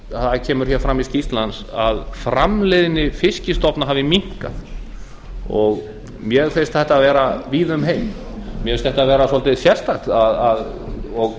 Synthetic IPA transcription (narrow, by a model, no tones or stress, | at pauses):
aðcʰɛːmʏɾ̥çɛɾfɾamiscist̪lansaðfɾamleːðɪnɪfɪscɪst̪ɔpnaɦaːvɪmiŋ̥ka̰ð | ɔɣ | mjɛɣθest̪θɛht̪avɛːɾaviːðʏmɦejm | mjfest̪θɛht̪avɛːɾasɔlt̪ɪðsjɛst̪at̪aðaðɔɣ